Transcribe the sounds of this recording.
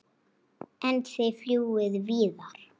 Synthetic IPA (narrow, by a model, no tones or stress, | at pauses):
ʔɛ̃nd̪ðejfljuwɪðviːðaɾ̥